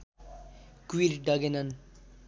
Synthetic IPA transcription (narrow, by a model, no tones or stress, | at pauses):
kuiɾɖʌɡenʌn